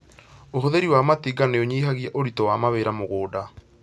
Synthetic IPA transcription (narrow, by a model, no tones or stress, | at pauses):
oɦoðeɾiwamatiːɡaneoɲiːɦaɣjɛʔoɾitɔwamaβeɾamoɣoːda